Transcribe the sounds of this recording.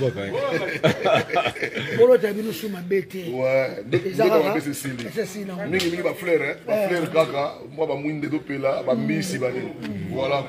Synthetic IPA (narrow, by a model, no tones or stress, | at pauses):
kolotabinosumabetewɛdeekapes̬esilisesinamiŋɡimĩɡibaflɛʁɛbaflɛʁkaka | mwabamuindetopelabamisibanewala